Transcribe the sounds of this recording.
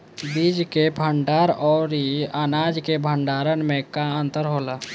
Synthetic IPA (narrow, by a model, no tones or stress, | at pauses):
bid͡ʒkebʱəɳɖaːɾɔːɾiənaːd͡ʒkebʱəɳɖaːɾənmẽkaə̃nt̪əɾɦoːla